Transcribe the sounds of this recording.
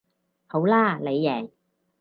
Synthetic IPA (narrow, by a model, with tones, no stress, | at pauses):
ho˨˥wlaː˥le˨˧jːɛː˨˩ŋ